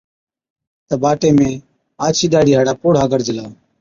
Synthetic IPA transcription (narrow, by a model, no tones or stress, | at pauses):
t̪əbaːʈeːmẽː | aːt͡ʃʰiːɗaːɽiːɦaːɽaːpoːɽ̤aːɡəɾd͡ʒəlaː